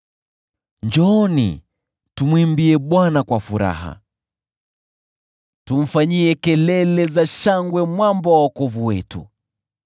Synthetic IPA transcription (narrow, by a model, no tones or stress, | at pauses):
ɲd͡ʒɔːnḭ | tumwimbiɛɓwanakwafuɾa̰ɦa̰ | tum̩faɲiɛkɛlɛlɛzaʃaŋɡwɛmwambɔwawakɔvuwɛtṵ